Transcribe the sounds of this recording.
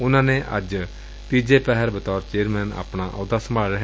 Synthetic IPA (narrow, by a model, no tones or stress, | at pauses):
ʊnãːneʔɐd͡ʒ | t̪iːd͡ʒepɛɦɛɾbɐt̪ɔːɾt͡ʃeːəɾmɛːna̰ːpɽ̃aʔɔːd̪asɐmʱaːɭɾəɦ